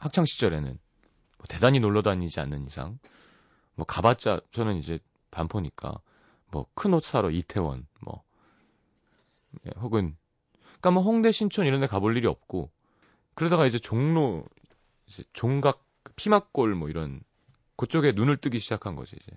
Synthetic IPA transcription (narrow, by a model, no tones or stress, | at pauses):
hak̚t͡ɕʰaŋɕʰi̥t͡ɕ͈ʌɾe̞nɯ̰n | mwʌte̞daɲinoɭːʌdaɲid͡ʑia̰nːɯnisʰa̰ŋ | mwʌkabat͡ɕ͈a̰t͡ɕʰʌnɯnid͡ʑe̞ | pampʰoɲik͈a̰ | mwʌ̰kʰɯnosʰaɾʌitʰe̞wʌ̰nmwʌ̰ | jḛhoɡɯn | k͈amʌɦoŋde̞ɕʰint͡ɕʰʌniɾʌnde̞kaboɭːiɾiʌ̰p̚k͈o | kɯɾe̞daɣaid͡ʑe̞t͡ɕoŋno | id͡ʑe̞̰t͡ɕoŋɡak̚kɯpʰimak̚k͈oɭmwʌiɾʌn | kot͡ɕ͈oɡe̞nunɯɭt͈ɯɡiɕʰid͡ʑakʰanɡʌ̰d͡ʑiid͡ʑe̞̰